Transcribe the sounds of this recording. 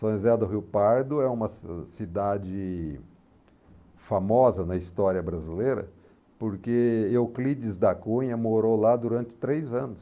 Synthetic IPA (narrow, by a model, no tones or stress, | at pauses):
sõzɛd̪ʊɦiwpaɾd̪ʊɛũmɐsid̪ad͡ʒɪ | famɔzɐnɐist̪ɔɾiɐbɾazilejɾɐ̰ | poɾkeewklid͡ʒɪzd̪ɐkũɲɐmoɾolad̪uɾɐ̃nt͡ʃɪ̥t̪ɾejzɐ̃nʊs